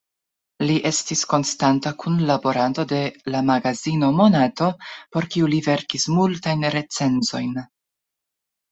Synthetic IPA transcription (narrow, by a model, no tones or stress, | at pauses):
liʔe̞stisko̞nstantakunlabo̞ɾanto̞de̞lamaɡazino̞mo̞nato̞po̞ɾkiulive̞ɾkismultajnɾe̞t͡se̞nzo̞jn